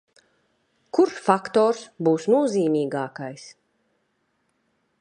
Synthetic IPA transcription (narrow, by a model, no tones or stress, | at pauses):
kuɾsfakt̪ɔːɾsbuːsnuɔziːmiːɡaːkajs